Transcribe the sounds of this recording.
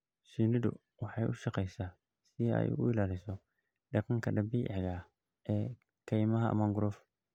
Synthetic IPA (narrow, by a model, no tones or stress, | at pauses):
siːnɪdʊ̰ | wɑħɑjʔʊʃɑqɛjsaː | sɪɛ̰jʊ̰ɪlaːlɪsɔ | ɖɐqɑŋkʰɐɖɐbiʔʕɣɐ | ʔɛː | kʰɛjmɐɦɐʔɐ̰maŋɡʊɾɔf